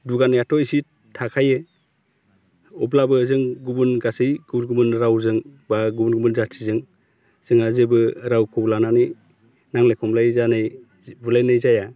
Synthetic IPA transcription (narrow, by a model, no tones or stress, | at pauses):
duɡanjatʰɔjsi | tʰakʰaje | ɔblabɯzɯŋɡubunɡasɯjɡubnɡumɯnɾawzɯŋbaɡubunɡumɯnzatʰizɯŋ | z̥ɯŋazebɯɾawkʰɔblananɯj | naŋlajkʰɔmlajzanɯj | bulajnɯjzaja